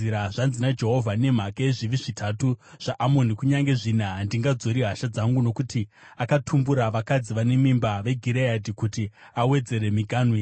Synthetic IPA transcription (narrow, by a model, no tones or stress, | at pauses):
iɾaʐanzinad͡ʒeɦo̞vʱane̞m̤akaeʐiʋiʐitʰatuʐ̥aʔamo̞nikuɲaŋɡe̞ʐinandiŋɡad͡zo̞ɾiɦaʃad͡zaŋɡuno̞kuti | akatʰumbuɾaʋakad͡ziʋane̞mimbaʋe̞ɡʱiɾeadikuti | awe̞d͡ze̞ɾe̞miɡʱaːnwi